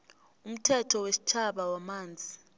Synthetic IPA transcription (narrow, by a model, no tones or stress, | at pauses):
um̩tʰɛtʰɔwesi̥t͡ʃʰaɓawamaːnd͡zʱi